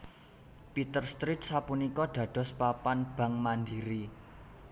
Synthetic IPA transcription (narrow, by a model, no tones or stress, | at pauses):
pit̪ərst̪ɾit̪̚sapunikɔɖ̪̥ä̤d̪̥ɔ̤spapanb̥a̤ŋmand̪iɾi